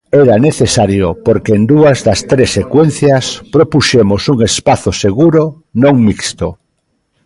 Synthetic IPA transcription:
eɾaneθesaɾjopoɾkeend̪uazðɐst̪ɾesːekwen̟θjaspɾopuʃemosuŋespaθoseɣuɾo | nõŋmikst̪o

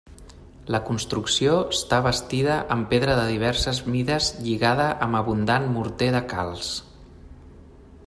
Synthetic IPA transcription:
ləkunst̪ɾuksioəst̪aβəst̪iðəʔəmpeðɾəðəðiβ̞ɛɾsəzmiðəzʎiɣaðəʔəməβund̪anmuɾt̪eðəka̰lˠs

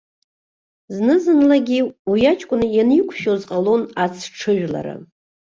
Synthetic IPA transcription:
znɨzɨnlaɡʲiujat͡ʃʼkʷʼʊnɨjanikʷʰʃozqʼalo̞nat͡sʰʈ͡ʂʰɨʒᶣla̰ɾa̰

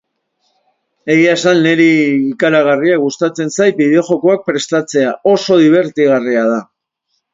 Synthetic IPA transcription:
e̞ɣiaesanːe̞ɾiːkaɾaɣ̞ariaɣust̪at͡se̞nsajt̪̚biðe̞oʝo̞ko̞ak̚pɾe̞st̪at͡se̞ao̞so̞ðiβ̞e̞ɾt̪iɣariaða

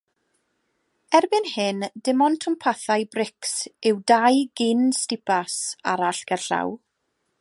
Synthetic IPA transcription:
ɛrbɪnhɨndɪmɔntʰʊmpʰaθajbrɪksɪwdajɡɪnstɪpʰasaɾaɬɡ̥ɛrɬa̰w

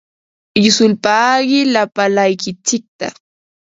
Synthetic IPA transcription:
ɪsʊlpaːɢɪlapalajkɪt͡ʃɪk̚t̪a̰

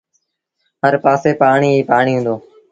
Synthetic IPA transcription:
ɦəɾpaːseːpaːɳ̃iːiːpaːɳ̃iːɦũnd̪oː

